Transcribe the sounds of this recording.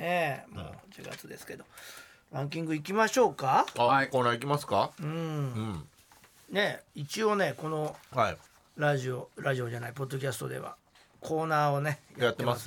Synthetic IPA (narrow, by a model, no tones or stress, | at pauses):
nemo̰ːd͡ʑɨ̰ɡa̰t͡sɨd̪e̞sɨ̥ke̞d̪o̞ | ɾãŋk̬ʲĩŋɡɯ̟ik̬ʲimaɕo̞ːkaaakoːnaːikʲimasɨ̥kaɯ̟̃ɴɯ̃ | ne̞it͡ɕio̞ne̞ko̞no̞hai | ɾaʑioɾaʑio̞d͡ʑanaipo̞d̪ːo̞k̬ʲasɨ̥t̪o̞̰d̪e̞̰βa̰ | kʰo̞ːnaːo̞ne̞jajat̪ːemas